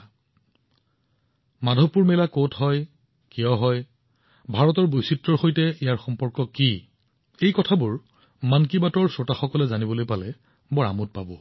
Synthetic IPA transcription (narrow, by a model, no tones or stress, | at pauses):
madʱɔpːuɹmɛlakotɦɔj | kijɔɦɔj | bʱaɹɔtɔɹbojsitɹɔɹxojtɛijaɹxɔmpɔɹkɔki | ejkɔtʰabʊɹ | mankibatɔɹsotaxɔkɔlɛzanibɔlojpalɛ | bɔɹa̰mʊt̚pabɔ